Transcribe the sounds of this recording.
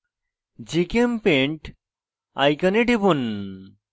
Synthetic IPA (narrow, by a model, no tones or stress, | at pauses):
d͡ʑikempẽɳʈ | ajkəneʈipun